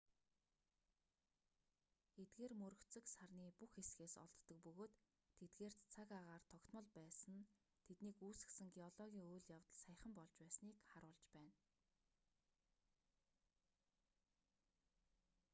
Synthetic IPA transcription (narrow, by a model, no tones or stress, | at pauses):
et̪̚ɡeːrmɵɾɵ̆kt͡sɘ̆ksarniːpuxesɡeːsɔ̰ɮt̪ːɞ̆k̚pɵɣoːt̪ʰː | et̪ɡeːr̥t͡sʰakaʁaːrt̪ʰɔkt̪ʰmɞ̆ɮpæːsə̆n | t̪ʰet̪niːkuːsɘ̆ksɘ̆ŋɡeɔɮɔɣʲiːŋoːjɮjawt̪ə̆ɮsaj̆χə̆mpɔɮt͡ɕpæːsniːkχaɾʊːɮt͡ɕpæːn